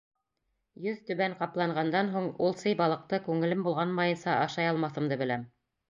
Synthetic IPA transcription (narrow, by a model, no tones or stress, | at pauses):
jɵðt̪ɵ̆βæɴqɑplˠɑɴʁɑnd̪ɑnɦuɴulˠsɤjbɑlˠɤ̆q̚t̪ɤkʉŋɘ̆lɘmbulˠʁɑnmɑjɤ̆nsɑʔɑʃɑjɑlˠmɑθɤ̆md̪ɤbɘ̆læm